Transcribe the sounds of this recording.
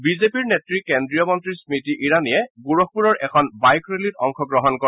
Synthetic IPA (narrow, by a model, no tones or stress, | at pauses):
bizepiɹnetɹikendɹijɔmɔntɹismitiʔiɹanijɛɡuɹɔk̚ʰpuɹɔɹɛkʰɔnbajkʰɹelitɔŋkʰɔɡɹɔɦɔnkɔ